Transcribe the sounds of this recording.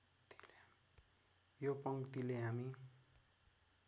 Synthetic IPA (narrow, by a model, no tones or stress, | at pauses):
t̪i̥l | jopʌŋkt̪ileɦami